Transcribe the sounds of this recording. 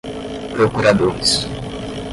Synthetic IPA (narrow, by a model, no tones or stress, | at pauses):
pɾokuɾad̪oɾis